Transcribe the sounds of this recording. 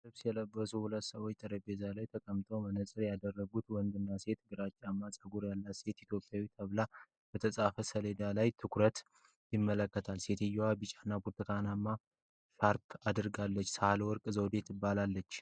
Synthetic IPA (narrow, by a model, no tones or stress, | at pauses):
sɨβsijɛləbːəsuhulət̪ːsəwɔt͡ʃt̪ʼəɾəbezalajt̪ʰəkʼəmt̪ʰowmənəsʼɨɾjad̪ərːəɡut̪wɔnd̪ɨnːase̞t̪ɡɨɾat͡ʃʼːamːasʼəɡuɾjalːat̪se̞t̪it̪ʰjo̞pʼjawit̪ʰəβla | b̥ət̪ʰəsʼafəsəled̪alajt̪ʰɨkʰɾət̪ | jɪmːələkːət̪ʰalse̞t̪ʰɪjːwabɨt͡ʃʼanːabuɾt̪ʰɨk̪ʰanamːa | ʃaɾt̪ʰad̪ɨɾɡalːət͡ʃːsəhalwɔɾkʼɨzəwd̪e̞t̪ɨbːalalːət͡ʃː